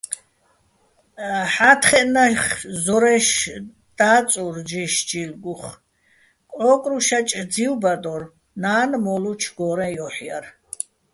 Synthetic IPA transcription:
ħat̪ʰχɛʔnaχzɔɾɛʃ | d̪̥aːt͡sʼuɾd͡ʒiʃd͡ʒilɡuχ | kʼɔkʼɾuʃat͡ʃʼd̪d͡ziwbad̪ɔr | naːnmɔlut͡ʃʰɡɔɾɛ̃jɔħija̰ɾ

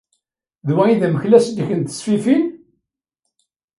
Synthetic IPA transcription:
ðwæiðæməçlæsd̪içənt̪ə̥sfifin

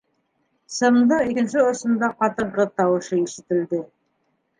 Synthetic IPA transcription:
sɤ̆md̪ɤikɘ̆nʃɘŏsɤ̆nd̪ɑqɑt̪ɤ̆ɾʁɤt̪ɑwɤʃiŋʃɘ̆t̪ɘ̆ld̪ɘ

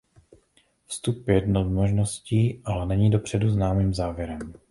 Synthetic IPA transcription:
fst̪upjjɛdnomoʒno̞sciːʔalɛnɛɲiːdo̞pr̝̥ɛduznaːmiːmzaːvjɛɾɛm

